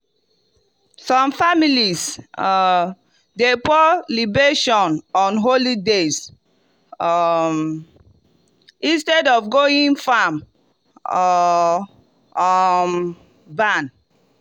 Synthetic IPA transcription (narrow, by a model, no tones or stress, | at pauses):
sɔ̃mfamilis | depɔlibeʃɔ̃nɔ̃nɦolides | ĩnstɛdɔfɡoĩnfam | m | bãn